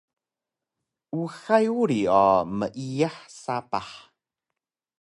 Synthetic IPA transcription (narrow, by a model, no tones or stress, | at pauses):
uxajuɾiɔməʔiaħsapaħ